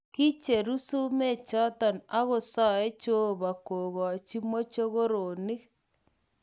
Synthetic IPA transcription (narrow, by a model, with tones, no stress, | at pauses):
ki˦t͡ʃe˨ɾu˦su˦me˦˨t͡ʃɔ˦ta˨na˦ɣo˨sɔ˦e˦t͡ʃo˦ba˨ko˨ɣɔ˨t͡ʃi˦mo˦t͡ʃo˦ɣo˦ɾo˨ni˦k